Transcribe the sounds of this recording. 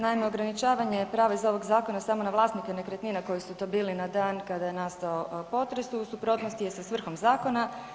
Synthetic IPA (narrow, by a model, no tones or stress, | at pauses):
naimeoɡɾanit͡ʃaːʋaɲe̞pɾaːʋaizo̞ʋo̞ɡzaːko̞nasamo̞naʋlˠaːst̪nikenekɾet̪niːnako̞jisut̪o̞ːbiːlinad̪aːnkad̪aje̞nast̪aopo̞t̪ɾe̞susupɾo̞ːt̪nost̪ije̞sasʋr̩xo̞mzaːko̞na